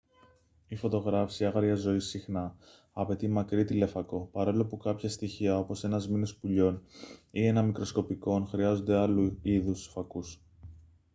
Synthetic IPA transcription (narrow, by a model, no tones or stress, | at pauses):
ifo̞t̪o̞ɣɾɐfsiɐɣɐɾʝɐzo̞isixnɐː | pe̞t̪imɐkɾit̪ile̞fɐko̞pɐɾolopukɐpçɐst̪içiɐo̞po̞se̞nɐzminospuʎo̞nie̞nɐmikɾo̞sko̞piko̞nxɾiɐzo̞nd̪e̞ɐluiðusfɐkus